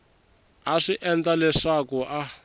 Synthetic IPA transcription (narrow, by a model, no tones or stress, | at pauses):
aʂiʔɛnd͡ɮalɛʂakuʔa